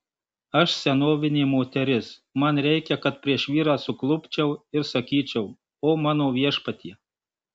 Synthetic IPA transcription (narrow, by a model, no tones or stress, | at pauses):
ɐʃsʲɛnoːʋʲɪnʲeːmoːt̪ʲɛɾʲɪsmɐnɾʲɛɪkʲɛkɐt̪̚pʲɾʲiɛʃʋʲiːɾɑːsʊklˠʊpʲt͡ʃʲɛʊɪɾsɐkʲiːt͡ʃʲɛʊ | oːmɑːnoːʋʲiɛʃpɐt̪ʲiɛ